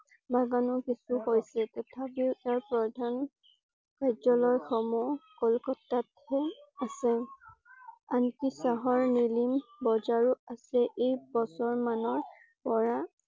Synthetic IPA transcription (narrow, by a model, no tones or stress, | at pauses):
baɡanɔkisuhojsɛtɛtʰapiʊɛaɹpɹɔdʱan | kajzɔlɔjxɔmɔkɔlkɔtːat | ɛasɛ | ankisaɦɔɹnilimbɔzaɹuasɛʔejbɔsɔɹmanɔɹ | pɔɹa